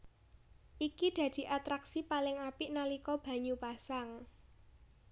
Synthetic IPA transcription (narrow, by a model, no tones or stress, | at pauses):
ʔikid̪̥a̤d̪̥i̤ʔat̪ɾaksipalɪŋapiʔnalikɔb̥ä̤ɲupasaŋ